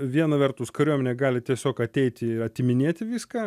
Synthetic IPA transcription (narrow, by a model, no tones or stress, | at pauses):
ʋʲiɛnɐʋʲɛrt̪ʊskɐɾʲuɔmʲɛnʲeːɡɑːlʲɪt̪ʲiɛsʲoːkɐt̪ʲɛɪt̪ʲɪɪɐt̪ʲɪmʲɪnʲeɛt̪ʲɪʋʲiːskɑː